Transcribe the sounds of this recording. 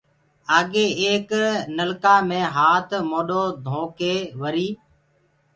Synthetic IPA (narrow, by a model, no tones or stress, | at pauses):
aːɠeːeːknəlkaːmẽːɦaːt̪ʰmoːɗoːd̪ʱõːkeːʋəɾiː